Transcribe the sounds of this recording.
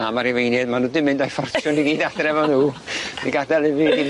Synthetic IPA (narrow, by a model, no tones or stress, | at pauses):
amaɾivejnɛdmanudɪmɪndajfɔrt͡ʃʰjʊniɡiːdadrɛvɔnuːiɡadalˠɪviɡi